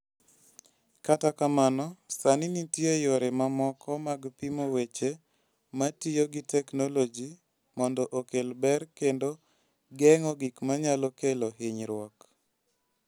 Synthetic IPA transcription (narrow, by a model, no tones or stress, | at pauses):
katakamanɔsaninitjejoɾemamɔkʰɔmaɡpimowet͡ʃe | matijoɡitɛknolod͡ʒi | mɔndɔʔokelbɛrkendo | ɡɛŋɔɡikmaɲalɔkeloɦɪɲɾwɔk